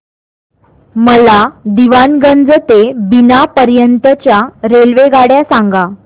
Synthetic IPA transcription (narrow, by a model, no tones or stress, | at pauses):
məlad̪iʋanɡənd͡zət̪ebinapəɾjənt̪ət͡ɕjaɾelʋeɡaɽjasaŋɡa